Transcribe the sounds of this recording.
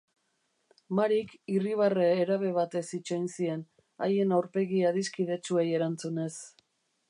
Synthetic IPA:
maɾikiriβ̞areːɾaβe̞β̞at̪e̞sit͡ʃo̞jnsie̞n | a̰je̞nawɾpe̞ɣiaðiskiðe̞t͡ʃue̞je̞ɾant͡sune̞s

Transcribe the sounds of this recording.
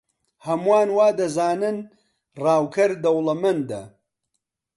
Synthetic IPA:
hɐmuaːnwaːd̪ɐzaːnɨn | raːwkʰɐɾd̪ɐwlˠɐmɐnd̪ɐ̰

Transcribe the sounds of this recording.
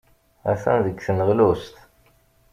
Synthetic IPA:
æ̰θæ̰nðəɡθənəʁlust̪

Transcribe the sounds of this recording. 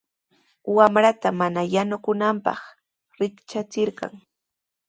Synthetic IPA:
wamɾat̪amanajanʊkʊnampɑ̰χ | ɾɪkt͡ʃat͡sɪɾɢɑ̰ŋ

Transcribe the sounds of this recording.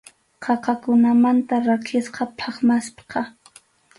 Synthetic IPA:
qʰɑqɑkʊnamant̪aɾakʰɪsqɑpʰɑχmaspqɑ

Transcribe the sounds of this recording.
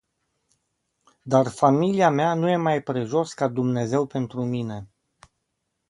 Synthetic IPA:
d̪arfamiliameanuje̞majpɾe̞ʒo̞skad̪umne̞ze̞wpe̞nt̪ɾumine̞

